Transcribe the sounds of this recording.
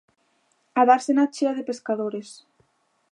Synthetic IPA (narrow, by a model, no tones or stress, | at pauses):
aðaɾsenat͡ʃeaðepeskaðoɾes